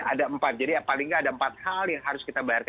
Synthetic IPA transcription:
adaəmpat̪̚d͡ʒadiapalɪŋkaːdaəmpat̪̚haljaŋɦaɾʊskit̪abajark

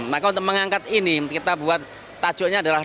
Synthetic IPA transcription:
makaunt̪ʊk̚məŋaŋkat̪inikit̪abuat̪̚ː | ḁd͡ʒ̥ɔʔɲaːdalah

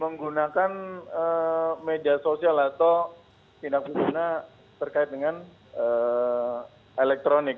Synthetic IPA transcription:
məŋɡunakanəmediasosialat̪ow | pinak̚bubuna | t̪ərkaɪt̪̚dəŋan | ə | elɛk̚t̪ɾonɪk̚

